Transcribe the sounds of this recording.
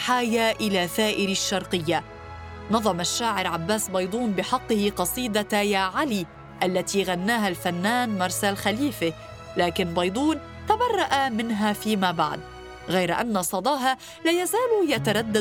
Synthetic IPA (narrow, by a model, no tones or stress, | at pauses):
ħaːjaʔɪlaːθaːʔɪɾʃːɑɾˤqɨjːa | nɑðˤɑmaʃːaːʕɪɾʕabːaːsbɑjd̪ˤuːnbɪħɑqːɨhɪqɑsˤiːd̪ajaːʕali | ʔalːat̪iɣanːaːɦalfanːaːnmɑɾˤsalxaliːfɪ | laːkɪnbɑjd̪ˤuːn | t̪abɑrˤːɑʔamɪnɦafiːmaːba̰ʕd̪ | ɣajɾaʔanːɑsˤɑd̪ˤɑːɦa | laːjazaːljat̪aɾˤɑd̪ːa